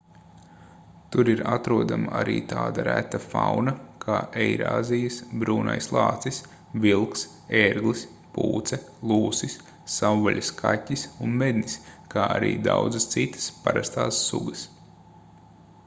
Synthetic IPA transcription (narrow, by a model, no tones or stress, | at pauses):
t̪uɾiɾat̪ɾuɔd̪amaaɾḭːt̪aːd̪aɾæt̪afawnɐkʰaːʔɛjɾa̰ːzijəsbɾuːna̰jslˠɑːt̪sis | vilˠks | eːɾɡlˠis | pṵːt̪sɛlˠuːsisː | awːaʎʲiskʰatʲːisunmed̪ʲniskaːaɾḭːd̪awd̪zɨst̪sit̪ə̥spaɾast̪aːsːṵɡəs